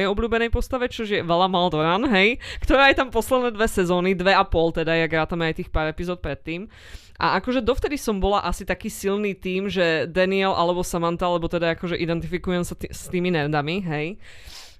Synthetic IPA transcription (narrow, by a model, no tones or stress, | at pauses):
ɛjɔblʎuːbɛnɛjpɔst̪aʋɛt͡ʃɔʒjɛʋɛlamald̪ɔɾanɦɛjkt̪ɔɾaːajt̪ampɔslɛd̪nɛːd̪ʋɛsɛzɔːnid̪ʋɛapɔlt̪ɛd̪ajaɡɾaːt̪amɛajt̪iːxpaːɾɛpizɔːt̪̚pɾɛt̪ːiːm | ʔa̰akɔʒɛd̪ɔft̪ɛd̪isɔmbɔlaʔasit̪akiːsilniːt̪iːmʒɛd̪aniɛlʔalɛbɔsamant̪aalɛbɔt̪ɛd̪aakɔʒɛʔid̪ɛnt̪ifikujɛmsast̪iːminɛɾd̪amiɦɛj